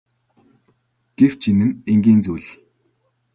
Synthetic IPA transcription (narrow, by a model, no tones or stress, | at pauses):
ɡ̥ew̥t͡ɕʰinɘ̆neŋɡʲiːnt͡sujɮ